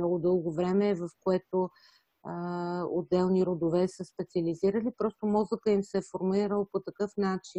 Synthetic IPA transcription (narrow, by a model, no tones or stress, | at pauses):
nɔɡʊd̪ɤlˠɡovɾɛmɛːvɐfkoɛt̪o | o̰d̪ːɛlˠniɾod̪ovɛsəspɛt̪siɐliziɾəlipɾɔst̪omɔzəkəimsɛɛfoɾmuliɾəlˠpot̪ɐkɤfnat͡ʃin